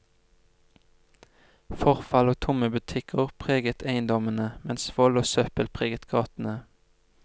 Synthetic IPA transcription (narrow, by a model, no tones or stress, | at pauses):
fɔʁfɑloːt̪ʰʊməbʉt̪ʰɪkʰəʁpʰʁeːɡət̪ʰæɪnd̪ɔmənəmɛnsʋɔloːsœpəlpʰʁeːɡət̪ɡɑːt̪n̩ə